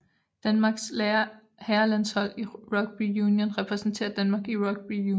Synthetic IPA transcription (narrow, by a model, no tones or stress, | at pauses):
d̥ænmɑ̈ɡ̥s | hæɐlæn̰shɒ̽l̰iʁɒ̽ɡ̥̚b̥ijuːnjonʁɛpʰʁɛsn̩t͡sʰe̝̰ːɐd̥ænmɑ̈ːɡ̥iʁɒ̽ɡ̥̚b̥ijuː